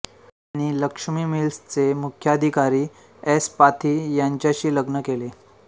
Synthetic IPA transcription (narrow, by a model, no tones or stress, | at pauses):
aɽ̃iləkʂmiːmilst͡semukʰjəd̪ʱikaɾiː | espat̪ʰiːjaɲt͡ɕjaɕiːləɡnəkele